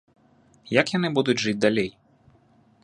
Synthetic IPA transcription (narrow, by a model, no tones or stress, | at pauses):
jɐkjanɨbud̪ʊdʲʐɨd͡zʲd̪alʲej